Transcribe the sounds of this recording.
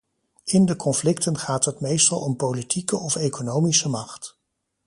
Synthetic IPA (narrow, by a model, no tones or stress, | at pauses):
ɪndəkɔnflɪktənχaːtɦətmejstɑlˠɔmpowlitʰikəʔɔfejkonowmisəmɑχt